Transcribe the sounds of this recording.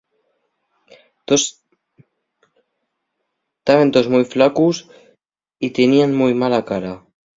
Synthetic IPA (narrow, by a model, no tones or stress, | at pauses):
t̪os | t̪aβent̪ozmujflakus | it̪enianmujmalakaɾa